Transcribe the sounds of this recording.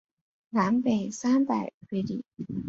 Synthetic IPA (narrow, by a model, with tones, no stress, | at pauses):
na˧˥npe˨˩ɪsa˥npa˨˩ɪxwe˥ɪlḭ˨˩˦